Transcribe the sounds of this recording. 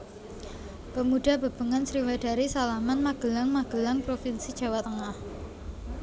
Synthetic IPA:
pəmuɖ̥a̤b̥ə̤b̥ə̤ŋansɾiwad̥a̤ɾisalamanmaɡ̥əlaŋmaɡ̥ə̤laŋpɾofinsid̥ʒ̥a̤wat̪əŋah

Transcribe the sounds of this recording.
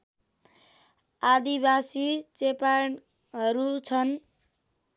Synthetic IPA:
ad̪ibasit͡sepa | ɦʌɾut͡sʰʌn

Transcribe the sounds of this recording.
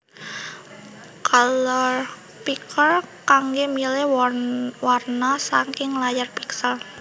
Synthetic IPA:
kalo | pikʰərkaŋɡemilɛ | warnasaŋkɪŋlajarpi̥ksal

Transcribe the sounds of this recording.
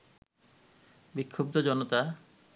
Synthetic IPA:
bikʰːob̚t̪od͡ʑɔnot̪a

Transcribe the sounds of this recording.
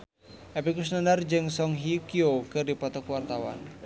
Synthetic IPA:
ʔɛpikus̬nanard͡ʒɨŋsɔŋɦikiokɨrdipɔt̪ɔkuwart̪awa̰n

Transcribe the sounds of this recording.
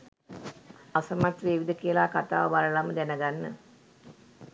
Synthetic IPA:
asəmat̪ʋeːʋid̪əkiəlaːkat̪a̰ːʋʋaɾəlaməd̪ɛnəɡanːə

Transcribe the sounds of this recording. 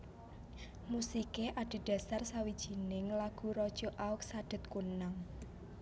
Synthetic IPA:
musikeʔaɖ̥i̤d̥a̤sarsawid̥ʒ̥i̤nɪŋlaɡ̥ṳɾɔd̥ʒ̥o̤ʔaʊk̚saɖ̥ə̤t̪̚kunaŋ

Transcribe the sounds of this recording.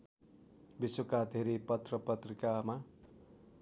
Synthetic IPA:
biswokad̪ʱeɾepʌt̪rʌpʌt̪rikama

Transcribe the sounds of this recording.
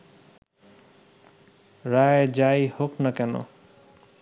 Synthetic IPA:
ɾajd͡zajhoknʌkano̰

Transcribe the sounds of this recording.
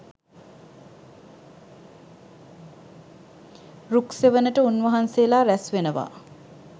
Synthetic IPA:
rukseʋənəʈəunʋəɦanseəlaːɾæsʋenəʋa̰

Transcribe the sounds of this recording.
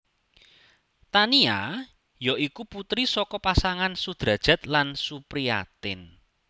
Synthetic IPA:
t̪ania | jɔʔikuput̪ɾisɔkɔpasaŋansud̪̥ɾä̤d̥ʒ̥ä̤t̪lansupɾia̰t̪ɪn

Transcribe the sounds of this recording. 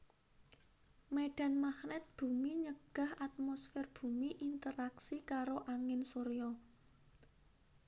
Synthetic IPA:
meɖ̥a̤nmaxnɛt̪̚b̥ṳmiɲəɡ̥a̤hat̪̚mɔsfɛrb̥ṳmiʔint̪əɾaksikaɾoʔaŋɪnsoɾjɔ

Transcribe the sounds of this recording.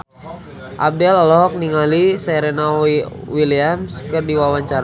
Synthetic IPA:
ʔa̰b̚dɛlalɔɦɔk̚niŋalisɛɾɛnawwiliamskɨrdiwawaɲt͡ʃaɾa

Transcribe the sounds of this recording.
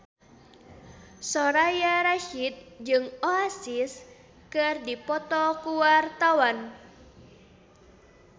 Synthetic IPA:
sɔɾajaɾaʃit̪̚d͡ʒɨŋoasis | kɨrdipɔt̪ɔkuwart̪awan

